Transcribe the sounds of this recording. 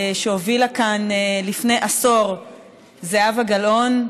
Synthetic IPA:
ʃeovilakanlifne̞jʔaso̞ʁ | zeavaɡalo̞n

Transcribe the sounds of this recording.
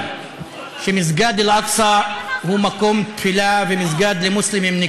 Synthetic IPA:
ʃɪmɪzɡaːd̪ɪlʔɑksˤɑhuːmakuːmt̪fɪlaːfɪmɪzɡaːd̪lɪmʊslɪmɪmnɪ

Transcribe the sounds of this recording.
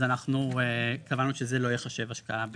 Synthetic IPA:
zanaχnuekavanuʃezelo̞jeχaʃe̞vaʃkaʔab

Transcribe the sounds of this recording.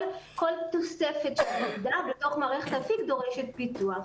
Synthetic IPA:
ko̞lt̪osefe̞tʃelmaɡdabeto̞χmaːʁeχet̪hafikd̪o̞ʁeʃet̪̚bituaχ

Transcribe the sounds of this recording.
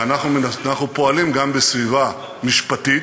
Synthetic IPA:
anaχnumenanaχnupo̞alimɡambesviva | miʃpat̪it

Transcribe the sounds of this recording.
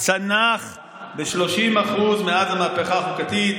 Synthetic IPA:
t͡sanaχ | beʃlo̞ʃimaχuzmeazamapeχaːχukat̪it̪

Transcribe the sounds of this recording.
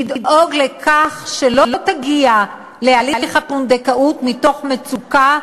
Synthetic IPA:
ididʔoɡlekʰaχʃelo̞lo̞t̪aɡia | lealiliχhapund̪ekaʔutmito̞χmet͡suka

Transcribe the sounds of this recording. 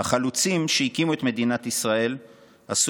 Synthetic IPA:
haχalut͡simʃehikimuet̪me̞d̪inat̪isʁae̞l | as

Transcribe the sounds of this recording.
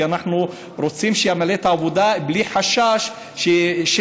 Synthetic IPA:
anaħnu | ɾot͡simʃejaʕmalet̪ʕavod̪aʔbliħaʃːaʃ | ʃeʃ

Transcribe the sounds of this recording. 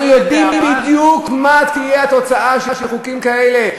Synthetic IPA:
nujod̪imbibid̪jukmat̪ijeat̪o̞t͡saaʃeʃelχukimkaele̞

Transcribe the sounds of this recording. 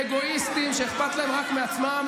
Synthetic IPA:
eɡo̞ist̪imʃeeχpat̪laemʁakmeat͡smam

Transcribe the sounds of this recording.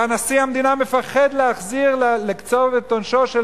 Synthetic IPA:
anasihamd̪inamefaχed̪leaχziʁlelekt͡sovet̪ːonʃoʃe

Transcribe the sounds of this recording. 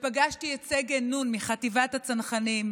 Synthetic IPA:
paɡaʃtiet͡seɡenunmiχativat̪hat͡sanχanim

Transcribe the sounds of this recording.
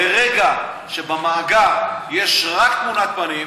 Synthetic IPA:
eʁeɡa | ʃebamaːɡaʁje̞ʃʁakt̪munat̪̚panim

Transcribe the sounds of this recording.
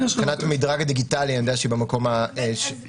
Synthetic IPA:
sχanat̪amid̪ʁaɡad̪iɡitalianod̪eaʃibemakomaeʃ

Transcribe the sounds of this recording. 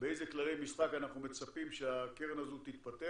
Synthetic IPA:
beejzeklalejmisχakanaχnume̞t͡sapimʃeakeʁenazut̪it̪̚pat̪e

